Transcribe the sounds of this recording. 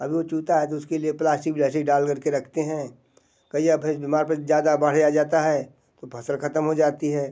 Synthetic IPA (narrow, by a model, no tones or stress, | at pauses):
ɐbʱiʋot͡ʃuːt̪aɦɛt̪oʊskelieplaːsʈɪkblɛːsʈɪk̚ɖaːlkɐɾkeɾɐkʰt̪eɦɛ̃ː | kɐiapʰɪbimaːɾpɐɾzjaːd̪abɐɽ̤jad͡ʒaːt̪aɦɛː | t̪opʰɐsəlkʰɐt̪əmɦod͡ʒaːt̪iɦɛː